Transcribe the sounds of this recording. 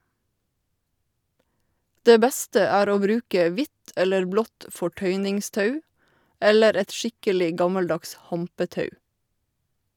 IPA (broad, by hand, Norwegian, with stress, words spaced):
ˈdeː ˈbɛstə ˈæːɾ ˈoː ˈbɾʉːkɛ ˈʋɪt ˈɛləɹ ˈblɔt fɔˈʈœʏnɪŋˌstɑʉ ˈɛləɾ ˈɛt ˈʃɪkəlɪ ˈɡɑmɑlˌdɑks ˈhɑmpəˌtɑʉ